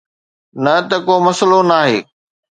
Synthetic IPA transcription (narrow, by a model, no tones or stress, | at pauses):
nɐt̪ɐkomɐslonaːɦeː